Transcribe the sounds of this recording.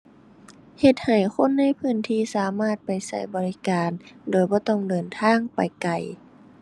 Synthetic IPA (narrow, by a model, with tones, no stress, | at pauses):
he˧t̪̚ha˨˩jxʰo˧˥˨nːa˧˥˨jpʰɯː˧˥˩nt̪ʰiː˧˩saː˨˦maː˥˩t̪̚pa˨jsa˧˩jbɔː˧˦li˦˧kaː˨ndoː˨˩jbɔː˧˦t̪ɔ˧˥˩ŋdɤː˨nt̪ʰaː˧˥˨ŋpa˨˩jka˨˩j